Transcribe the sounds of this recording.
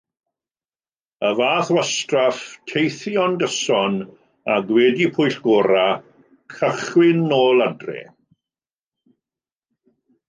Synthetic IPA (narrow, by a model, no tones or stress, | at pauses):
əvaːθwastraftʰejθjɔndəsɔn | aɡwɛdipʰʊjɬɡ̥oːɾa | kʰəχwɪnːoːladrɛ̰